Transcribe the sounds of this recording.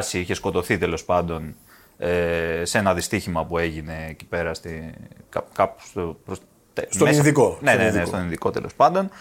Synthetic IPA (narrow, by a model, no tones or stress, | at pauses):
siiçe̞sko̞t̪o̞θit̪e̞lo̞spɐnd̪o̞n | ese̞nɐðist̪içimɐpue̞ʝine̞ːci̥pe̞ɾɐst̪ikɐkɐpu̥st̪opɾos | t̪esmesðikonenenest̪oninðiko̞t̪elʔo̞spɐnd̪o̞n